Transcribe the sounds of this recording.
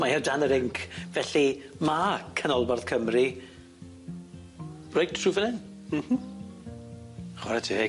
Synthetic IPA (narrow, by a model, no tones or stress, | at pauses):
maɛrdanəɾɪŋkʰvɛɬimakʰənɔlˠbarð̥kʰəmri | rojdʰruvənɪn | m̩h̩ | χwaɾatʰie